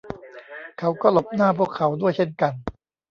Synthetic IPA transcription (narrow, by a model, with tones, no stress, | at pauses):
kʰa˦˥wkɔː˥˩lo˨˩p̚naː˥˩pʰu˥˩əkʰːa˩˦wdu˥˩əjt͡ɕʰe˥˩nka˧n